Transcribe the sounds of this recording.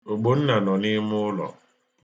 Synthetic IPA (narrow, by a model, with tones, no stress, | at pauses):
o˨ɡ͡bo˦n̩˦na˨nɔ˨ni˦mʊ˦lɔ̰˨